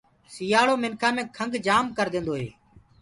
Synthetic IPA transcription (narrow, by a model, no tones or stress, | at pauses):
sijaːɭoːmɪnkʰaːmẽːkʰəŋɡʱd͡ʒaːmkəɾd̪ẽːnd̪oːɦḛː